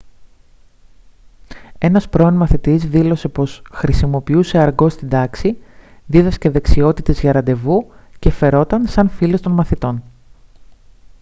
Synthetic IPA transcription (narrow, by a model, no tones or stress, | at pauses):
e̞nɐspɾo̞onmɐθit̪izðilo̞se̞po̞sxɾisimo̞piuse̞ɐɾɡo̞st̪ind̪ɐksiðiðɐsce̞ðe̞ksio̞t̪it̪e̞zʝɐɾɐnd̪e̞vuce̞fe̞ɾo̞t̪ɐnsɐnfile̞st̪o̞nmɐθit̪o̞n